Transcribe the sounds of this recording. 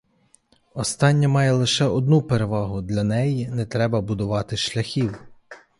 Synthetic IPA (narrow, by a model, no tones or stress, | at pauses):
ɔst̪ɑnʲːɐmɑjɛlˠɪʃɛɔd̪nupeɾeʋɑɦʊd̪lʲɐnɛjinɛt̪ɾɛbɐbʊd̪ʊʋɑt̪ɪʃlʲɐxʲiw